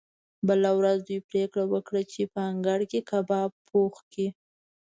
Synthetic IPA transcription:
bəlawɾazd̪ujpɾekɽawəkɽat͡ʃepəaŋɡaɽkekabɑpʰoxki

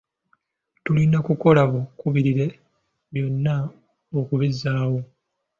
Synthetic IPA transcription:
tulinakuko̞laβokuβiɾiɾe̞ | βjo̞nːa | okuβizaːwo̞

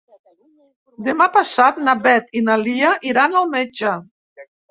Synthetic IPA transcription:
d̪emapasat̪̚nabɛt̪inaliaʔiɾanalˠmed͡ʒə

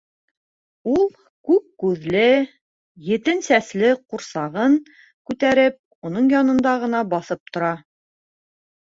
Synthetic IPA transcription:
ulˠ | kʉp̚kʉðlɘ | jɘ̆t̪ɘnsæslɘquɾsɑʁɤŋ | kʉt̪æɾɘp̚ | unɤɴjɑnɤ̆nd̪ɑʁɤ̆nɑbɑθɤp̚t̪ŏɾɑ

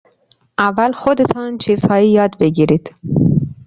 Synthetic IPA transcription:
ʔævːælxod̪et̪ʰɒːnt͡ʃʰiːz̥hɒːiːjɒːd̪beɡiːɾiːd̪̥

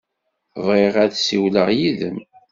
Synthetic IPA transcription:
ðˤʁeʁæðsiwləʁjiðəm

